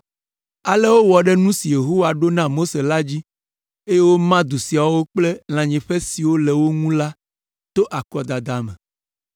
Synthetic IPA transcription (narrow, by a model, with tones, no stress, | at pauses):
a˨lɛ˦wo˦wɔ˨ɖɛ˦nũ˦si˨je˨ɦo˦wa˨ɖo˦nã˦mo˦se˨la˦d͡ʑi˦ | e˦je˦wo˦mã˦d̪u˨si˨a˨wo˦k͡plɛ˦l̃ã˨ɲɛ̃˨ɸɛ˦si˨wo˦lɛ˨wo˦ŋũ˦la˦ | t̪o˦ʔa˨kɔ˨d̪a˨d̪a˨mɛ̃˨